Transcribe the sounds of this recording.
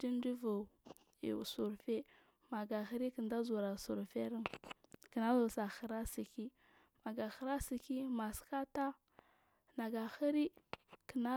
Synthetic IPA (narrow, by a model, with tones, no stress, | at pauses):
di˦n˦di˦vṵ˨ | su˨ɾfe˦ | ma˨ɡa˨xə˦ɾi˦kə˨nda˦zu˨ɾa˨su˨ɾfe˦ɾi˦nkə˨na˦zo˨sa˨xə˨ɾa˦si˨ki˦ | ma˨ɡa˨xə˨ɾa˦si˨ki˦ma˨ska˦ta˦ | na˨ɡa˨xə˦ɾi˦kə˨na˦